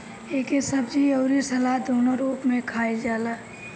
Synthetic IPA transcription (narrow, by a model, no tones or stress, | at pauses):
eːkesəbd͡ʒioːɾisɐlad̪ʱoːnoɾuːpmẽkʰaːed͡ʒaːlaː